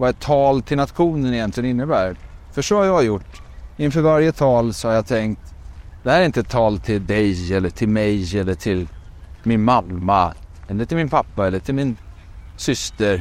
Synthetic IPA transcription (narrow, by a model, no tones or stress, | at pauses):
vɑɛt̪ʰːɑːlt̪ʰɪlnat̪ɧuːnənɪjɛnt̪lɪɡənɪnːəbæːɾfœʂɔhaɾjɑːjʊʈːɪnfœːɾvaɾjət̪ʰɑːlsɔhaɾjɑt̪ʰɛŋkt̪d̪ɛhæːɾɪnt̪əɛt̪ʰːɑːlt̪ʰɪld̪ɛjɛlːəʈʰɪlmɛjɛlːəʈʰɪl | mɪnmalːaɛlːəɾʈ̪ʰɪlmɪnpʰapːaɛlːəʈʰɪlmɪn | sʏst̪əɾ